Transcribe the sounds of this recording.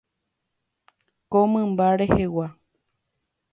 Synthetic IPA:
komɨ̃mbaɾehewa

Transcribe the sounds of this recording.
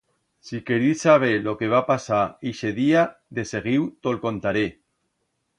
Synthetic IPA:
sikeɾisaβ̞elokeβ̞apasaiʃeðiaðeseɣ̞iwt̪olkont̪aɾe

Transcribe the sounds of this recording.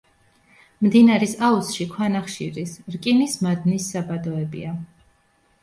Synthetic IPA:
md̪inaɾisausʃikʰwanaχʃḭɾisɾkʼinismad̪nisːabad̪ɔɛbḭa

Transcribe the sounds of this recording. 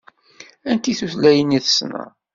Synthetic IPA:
ænt̪iθuθlæjənːiθə̥snæ̰

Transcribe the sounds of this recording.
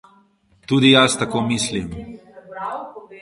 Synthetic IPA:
t̪uːd̪ijast̪akoːmislim

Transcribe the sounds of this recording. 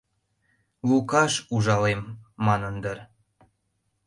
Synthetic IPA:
lukɑʃuʒɑlemːɑnənd̪ər

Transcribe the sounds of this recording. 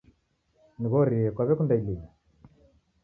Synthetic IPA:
niɣɔɾiɛkwaβɛkundailii

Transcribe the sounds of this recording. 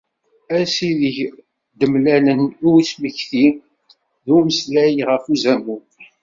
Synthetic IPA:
æsiðəç | d̪əmlælənuwisməçθi | ðuməslæjiʁəfuzæmːu

